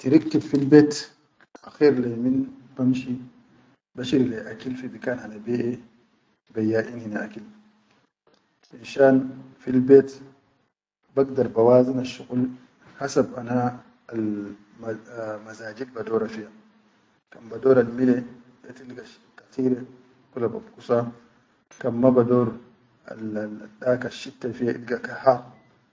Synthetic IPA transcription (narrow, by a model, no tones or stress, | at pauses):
tiɾiktidfilbeːt | ʔaxiːɾlajminb̥amʃi | baʃiɾileʔakilfibikaːnhanabeːʔɛ | bajːaːʔininaʔakil | binʃaːnfilbeːt | baɡdaɾbawaːzinaʃːuɣul | hasabʔana | l | mazaːd͡ʒid̚badɔːɾafija | kambadɔːɾalmilɛ | jatilɡa | kat̪iːɾɛ | kulaba̰bkusa | kamːabadɔːɾ | a̰adakaʃːitːafijaʔḭlɡakaha